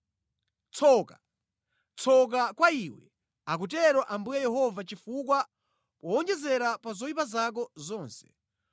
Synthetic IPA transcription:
t͡sʰɔːka | t͡sʰɔk̬akwaiwɛ̰ | ak̬ut̬ɛɾɔʔambujɛjɛɦɔvat͡ʃifuk̬wa | pɔːnd͡ʒɛzɛɾapazɔipazak̬ɔzɔːnsɛ̥

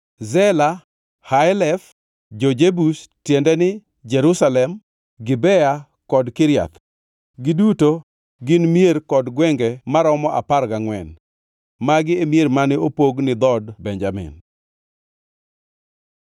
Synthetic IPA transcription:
zɛla | hajlɛf | d͡ʒod͡ʒebustjendɛnɪ | d͡ʒɛɾusalɛm | ɡɪbɛja | kɔdkɪɾja̰t̪ | ɡɪduto | ɡɪnmjeɾkɔdɡwɛŋɡɛmaɾɔmɔʔa̰paɾkaŋwɛ̰n | maɡɪemjeɾmanɪopoɡnɪd̪ɔdbɛnd͡ʒamɪ̰n

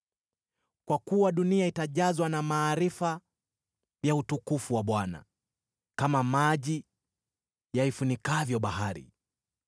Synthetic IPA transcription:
kwakuwaɗuniaitaʄazwanamaːɾifa | jautukufuwaɓwana̰ | kamamaʄi | jaifunikavjɔɓahaɾḭ

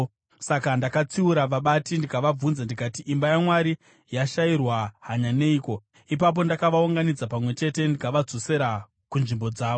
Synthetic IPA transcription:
sakandakat͡siuɾaʋaɓatindikaʋab͡vunzandikatiʔimbajamwaɾi | jaʃairwaɦaɲane̞iko̞ | ipap̬o̞ndakaʋauŋɡanid͡zapamwe̞t͡ʃe̞te̞ndikaʋad͡zo̞se̞ɾa | kunʐimbo̞d͡zaːʋo

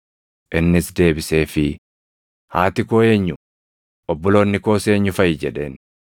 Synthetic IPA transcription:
ʔɪnːɪsd̪e̞ːbɪse̞ːfɪ | haːt̪ɪkoːe̞ːɲːʊ | ʔɔbːɔlo̞ːnːɪko̞ːseːɲːʊfɐjɪd͡ʒɛᶑe̞ːn

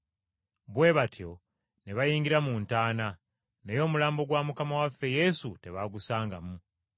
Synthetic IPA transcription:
βwe̞ːβatʰjo̞̰ | ne̞βajiːŋɡiɾamuːntaːna | nejo̞ːmulaːmbo̞ɡwamukamawafːe̞je̞sute̞βaɡusaːŋɡamu

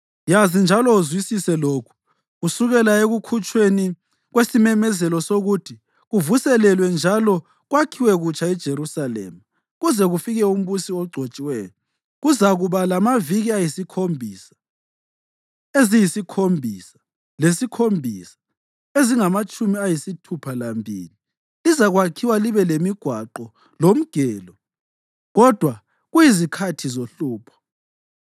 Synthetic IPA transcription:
jazind͡ʒʱalɔuzwisisɛloːkʰu̥ | ɣusuɣɛlaeɣukʰut͡ʃʼweni | ɣwesimɛmɛzɛlɔsoɣutʰi | ɣuvusɛlɛlwɛnd͡ʒʱalɔ | ɣwakʰiwɛɣut͡ʃʰʼaɛd̥ʒ̥ʱeɾusalɛ̰ːma | ɣuzɛɣufiɣɛum̩βusiɔɡ͡ǀʱot͡ʃʼiwɛːjɔ | ɣuzaɣuβalamaviɣiajisikʰombʱiːsḁ | ezijisikʰombʱisḁ | lesikʰombʱisḁ | eziŋamat͡ʃʼumiajisitʰupʰalambʱḭːli | lizaɣwakʰiwaliβɛlemiɡ̥ʱwaǃɔ | lom̩ɡ̥ʱɛːlɔ | ɣɔd̥ʱwa | ɣujizikʰatʰizoɬuːpʰɔ̥

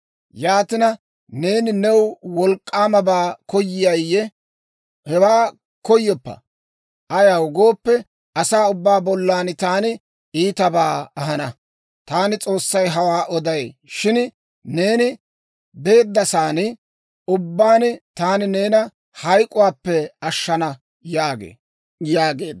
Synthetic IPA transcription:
jaːt̪ɪnɐ | ne̞ːnɪnɛwwɔlkʼːaːmɐbaːkɔjːɪjɐjːɛ | hɛwaː | kɔjːɔpːɐ̰ | ʔɐjawɡoːpːɛ | ɐsaːʊbːaːbɔlːaːnt̪aːnɪ | iːt̪ɐbaːɐɦɐnɐ | t̪aːnɪt͡sʼo̞ːsːɐjɦɐwaːʔɔd̪ɐjʃɪn | ne̞ːnɪ | be̞ːd̪ːɐsaːnɪ | ʊbːaːnɪt̪aːnɪne̞ːnɐ | hɐjkʼʊwaːpːɛɐʃːɐnɐ | jaːɡḛː | jaːɡeːd̪

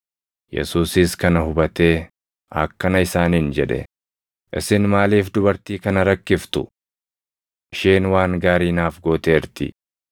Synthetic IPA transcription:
jɛ̰suːsɪskɐnɐhʊbɐt̪e̞ː | ɐ̰kːɐnɐɪsaːniːnd͡ʒɛᶑɛ̰ | ʔɪ̰sɪnmaːliːfd̪ʊbɐɾt̪iːkɐnɐɾɐkːɪft̪ʊ̰ | ɪʃeːnwaːŋɡaːɾiːnaːfɡo̞ːt̪e̞ːɾt̪ɪ̰

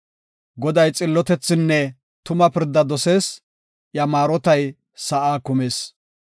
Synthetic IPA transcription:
ɡɔd̪ɐjt͡sʼɪlːɔt̪ɛt͡sːɪnːɛ | t̪ʊmɐpɪɾd̪ːɐd̪ɔse̞ːs | ʔjɐmaːɾɔt̪ɐj | sɐʔaːkʊme̞ːs

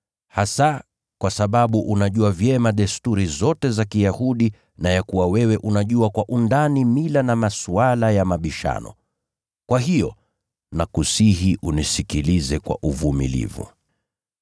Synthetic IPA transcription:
hasa | kwasaɓaɓuʔunaʄuavjɛmaɗɛstuɾizɔtɛzakijahuɗi | najakuwawɛwɛʔunaʄuakwaʔundanimilanamasualajamaɓiʃa̰nɔ̰ | kwaɦijɔ̰ | nakusihiʔunisikilizɛkwa̰ʔuvumḭlḭvṵ

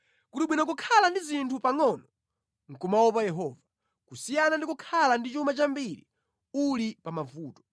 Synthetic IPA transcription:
kuliɓwinak̬ukʰalandizintʰupaŋɔnɔ | ŋ̩kumawɔp̬ajɛɦɔːva | kusijanandikukʰalandit͡ʃumat͡ʃambiɾḭ | ulipamavuːtɔ̥

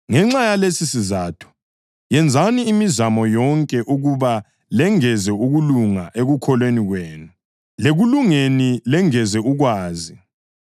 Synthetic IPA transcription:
ŋɛŋ͡ǁajalesisizaːtʰu̥ | jɛnd͡zʱaniːmizamɔjɔŋkʼɛʔuɣuβa | lɛŋɛzɛuɣuluŋaʔeɣukʰɔlweniɣweːnu | leɣuluŋenilɛŋɛzɛuɣwaːzi

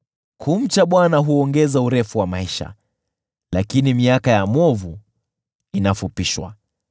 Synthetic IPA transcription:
kum̩t͡ʃaɓwanaɦuɔŋɡɛzauɾɛfuwamaiʃa̰ | lakinimiakajamɔvu | inafupiʃwa̰

